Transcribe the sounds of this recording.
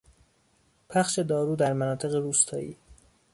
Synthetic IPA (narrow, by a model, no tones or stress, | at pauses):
pʰæxʃe̞d̪ɒːɾuːd̪æɾmænɒːt̪ʰe̞ɣeɾuːst̪ʰɒ̰ːḭː